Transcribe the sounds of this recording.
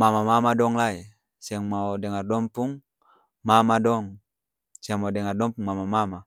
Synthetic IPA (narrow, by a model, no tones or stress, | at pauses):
mamamamadɔŋlai | siaŋmaodɛŋardɔmpuŋ | mamadɔŋ | siaŋmadɛŋardɔmpuŋmamamama